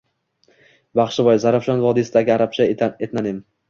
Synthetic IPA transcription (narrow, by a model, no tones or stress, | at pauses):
baχʃɪvɒjzaɾafʃɒnvɒd̪isɪd̪aɡʲɪaɾap̚t͡ʃʰaet̪nanɪm